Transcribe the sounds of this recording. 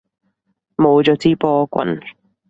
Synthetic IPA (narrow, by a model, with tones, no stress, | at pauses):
mo˨˧wt͡ʃɔː˨˧t͡siː˥pɔː˥kʷɐ̰˨n